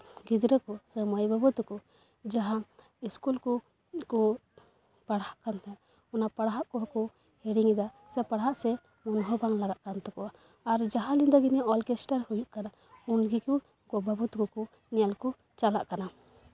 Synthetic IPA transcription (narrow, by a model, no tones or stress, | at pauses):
ɡid̪ɾəkɔsəməjbabət̪ukɔ | d͡ʒaɦã | iskulkɔ | kɔ | paɽhaʔkant̪ɛ | ɔnapaɽɦaʔkɔɦkɔ | hɛɽiŋid̪a | sɛpaɽɦaʔsɛ | mɔnɦɔbaŋlaɡaʔkant̪ɛkɔwa | aɾd͡ʒaɦãlind̪ɔɡiniaʔɔlkɛsʈaɾhujuʔkana | unɡiku | ɡɔbʱabut̪ukɔkɔ | nɛjalkɔ | t͡ʃala̰ʔkana